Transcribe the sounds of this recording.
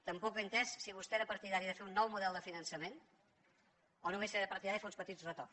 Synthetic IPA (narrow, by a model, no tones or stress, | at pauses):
t̪əmpɔkβent̪ɛssiβust̪eɛɾəpəɾt̪iðaɾiðəfeɾunːɔwmuðɛlˠd̪əfinənsəmen | ɔnumeseɾəpəɾt̪iðaɾifeunspət̪izrət̪or